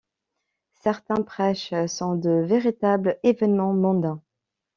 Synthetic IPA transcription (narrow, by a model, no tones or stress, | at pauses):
sɛʁt̪ɛ̃pχɛʃsɔ̃d̪əveʁit̪ablevɛnmɑ̃mɔ̃d̪ɛ̃